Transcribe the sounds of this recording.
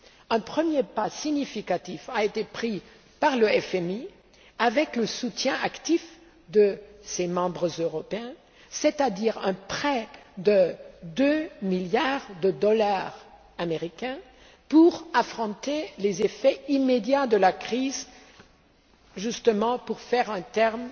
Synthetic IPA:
ɛ̃pχəmjepasiɲifikat̪ifaet̪epχi | paʁləɛfɛmi | avɛkləsut̪jɛ̃akt̪if | d̪əsemɑ̃bʁəzøʁɔpeɛ̃ | set̪ad̪iʁɛ̃pχɛd̪əd̪ømiljaʁd̪əd̪ɔlaʁ | ameʁikʲɛ̃ | puʁafχɔ̃t̪elezefɛimed̪jad̪əlakχiz | ʒyst̪əmɑ̃puʁfɛʁɛ̃t̪ɛʁm

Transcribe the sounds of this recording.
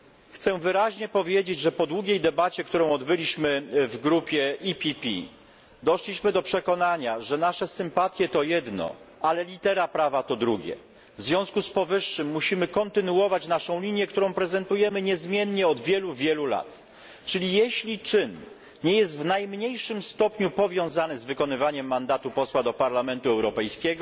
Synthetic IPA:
xt̪sɛvɘɾaʑɲɛpɔvʲjed͡ʑed͡ʑʐɛpɔd̪wuɡʲejd̪ɛbat͡ɕɛkt̪uɾɔ̃w̃ɔd̪bɘlʲiɕmɘvɡɾupʲjɛipʲipʲḭ | d̪ɔʂlʲiɕmɘd̪ɔpʂɛkɔnaɲaʐɛnaʂɛsɘmpat̪ʲjɛt̪ɔjɛd̪nɔ̰alɛlʲit̪ɛɾapɾavat̪ɔd̪ɾuɡʲjɛ̰ | vzvʲjɔ̃w̃skuspɔvɘʂːɘmːuɕimɘkɔnt̪ɘnuwɔvat͡ɕnaʂɔ̃w̃lʲiɲjɛkt̪uɾɔ̃w̃pɾɛzɛnt̪ujɛmɘɲɛzmʲjɛnɲɛɔd̪vʲjɛluvʲjɛlula̰t̪ | t͡ʂɘlʲijɛɕlʲit͡ʂɘn | ɲɛjɛst̪vnajmɲejʂɘmst̪ɔpɲupɔvʲjɔ̃w̃zanɘzvɘkɔnɘvaɲɛmːand̪at̪upɔswad̪ɔpaɾlamɛnt̪uɛwɾɔpɛjskʲɛɡɔ

